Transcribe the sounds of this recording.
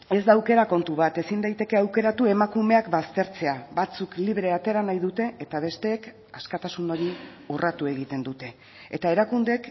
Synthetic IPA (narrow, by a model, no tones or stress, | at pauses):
e̞zd̪aːwke̞ɾako̞nt̪uβat̪e̞sind̪ajt̪e̞ke̞awke̞ɾat̪ue̞makume̞akbast̪e̞ɾt͡se̞aβat͡sukliβ̞ɾe̞at̪e̞ɾanajðut̪e̞ːt̪aβ̞e̞st̪e̞ːk | askat̪asuno̞ɾi | urat̪ue̞ɣit̪e̞nd̪ut̪e̞ː | t̪ae̞ɾakund̪e̞k